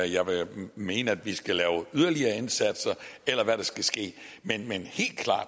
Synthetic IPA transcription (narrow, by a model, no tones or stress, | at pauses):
jɑ̈ɪʋeme̝ːnəæd̥ʋisɡ̥ælɛːʊyð̞ˠɐliɐːe̝nsæd̥sɐelɐʋæɾɑ̈sɡ̥æsɡ̥e̝̰ːmenmenhe̝̰ːld̥̚kʰlɑ̰̈ːd̥